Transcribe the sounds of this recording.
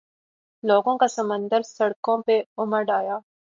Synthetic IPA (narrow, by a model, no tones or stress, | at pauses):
loːɡõkasɐmə̃nd̪əɾsɐɽkõpeʊməɾɖaːjaː